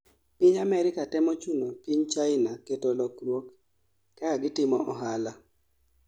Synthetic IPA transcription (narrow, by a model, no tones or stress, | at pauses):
piɲamɛɾɪkatɛmot͡ʃunopiɲt͡ʃaɪnaketolɔkɾwokː | aaɡɪtɪmɔʔɔɦala